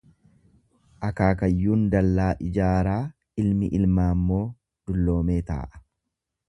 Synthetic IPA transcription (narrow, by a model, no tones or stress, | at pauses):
ʔɐkaːkɐjːuːnd̪ɐlːaːʔɪd͡ʒaːɾaː | ɪlmɪʔɪlmaːmːo̞ː | d̪̥ʊlːo̞ːme̞ːt̪a̰ːʔɐ̥